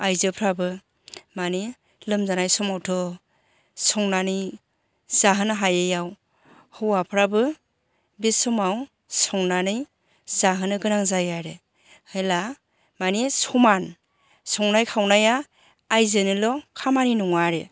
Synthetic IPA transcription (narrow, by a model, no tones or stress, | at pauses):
ajzɯpʰɾabɯ | mani | lɯmzanajsɔmawtʰɔ | sɔŋnanɯj | z̥aɦɯnɯɦajejaw | hɯwapʰɾabɯ | bisɔmaw | sɔŋnanɯj | zaɦɯnɯɡɯnaŋzajaɾe | hɯjla | manisɔman | sɔŋnajkʰawnajaː | jzɯnilɔkʰamaninɔŋaɾe